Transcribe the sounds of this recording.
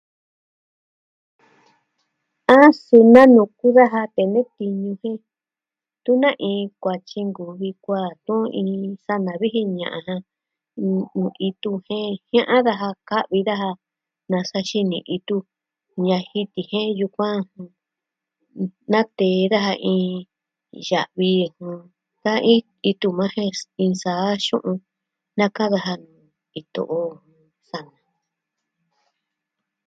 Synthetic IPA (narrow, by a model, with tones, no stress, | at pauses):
ã˦su˧nã˦nũ˨˧˨ku˦ða˦ɦa˧t̪e˨nẽ˦t̪i˧ɲũ˧hẽ˦ | t̪u˦nã˦ʔĩː˧˦kʷa˨t͡ʃi˧ŋɡu˨βi˧kʷa˦˨t̪ũ˦ʔĩː˧sa˦nã˨βi˦ɦi˧ɲã̰˨ʔã̰˧˨ɦã˧ | nũ˨i˧t̪u˧hẽ˦hj̃ã˦ʔã˦ða˧ɦa˧ka˦ʔβi˧ða˦ɦa˧ | nã˧sa˧ʃi˧nĩ˨ʔi˧t̪u˧ | ɲã˧hi˧t̪i˨hẽ˦ju˧kʷã˦hũ˧ | nã˦t̪eː˨˦ða˦ha˧ʔĩː˧ | ʒa˨ʔβi˧hũ˧ | ða˦a˦˧ĩ˦ | i˧t̪u˧mã˦hẽ˦ĩ˧saː˨˦ʃṵ̃˦ʔũ˧ | nã˦kã˦ða˧ɦa˧nũː˨ | i˧t̪o̰˧ʔõ˧ | sa˧nã˨